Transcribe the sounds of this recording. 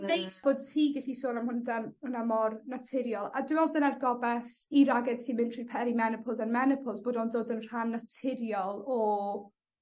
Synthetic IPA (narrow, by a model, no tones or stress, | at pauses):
nejtb̥oːd̚tʰiːɡɪɬisoːnamhʊndanʊnamɔrnatʰɪɾjɔlˠadɪmɔdənarɡɔbɛθ | iɾaɡɛd̥tʰiːmɪ̃ntʰr̥ipʰɛɾimɛnɪpʰɔlˠsanmɛnɪpʰɔlˠzb̥oːdɔːndoːdənr̥anːatʰɪɾjɔlˠɔ